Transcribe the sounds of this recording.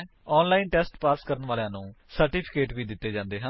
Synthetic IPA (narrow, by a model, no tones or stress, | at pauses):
ɔːnlaːinʈɛːsʈpaːskəɾənʋaːlejãːnũː | səɾʈiːpʰɪ̥keːʈʋiːd̪ɪt̪ːeːd͡ʒãːnd̪eːɦə̃n